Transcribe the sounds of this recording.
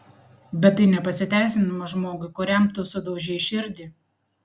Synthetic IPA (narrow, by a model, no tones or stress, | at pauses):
bʲɛt̪ːɐɪnʲɛpɐsʲɪt̪ʲæˑɪsʲɪnɐmɐʒmoːɡʊɪkʊɾʲɛmt̪ʊsʊd̪ɐʊʒʲɛɪʃʲɪɾʲd̪ʲɪ